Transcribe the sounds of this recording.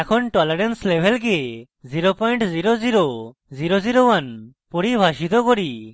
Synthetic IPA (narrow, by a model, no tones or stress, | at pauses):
ɛkʰɔnʈɔlɛɾɛnslebʱɛlɡe | ziɾopɔjɳʈziɾoziɾo | ziɾoziɾowan | pɔɽibʱaʃit̪ɔkɔɾi